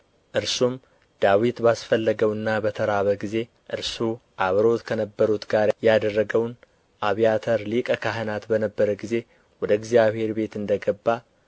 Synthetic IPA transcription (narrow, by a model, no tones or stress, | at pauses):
ʔɨɾsum | d̪̥awit̪basfəlːəɡəwɨnːabət̪ʰəɾaβəɡize̞ | ʔɨɾsuʔaβɾo̞t̪kʰənəbːəɾut̪ɡaɾjad̪ərːəɡəwn | ʔaβijat̪ʰəɾlikʼəkʰaɦənat̪bənəbːəɾəɡize̞ | wɔd̪əɪɡzijaβhe̞ɾbe̞t̪ɨnd̪əɡəbːa